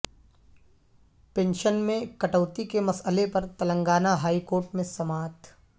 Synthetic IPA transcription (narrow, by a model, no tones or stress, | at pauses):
pẽːnʃənmẽkɐʈəːt̪ikemɐsəlepɐɾt̪ɐlə̃ŋɡaːnaɦaːikoːɾʈmẽsɐmaːt̪ʰ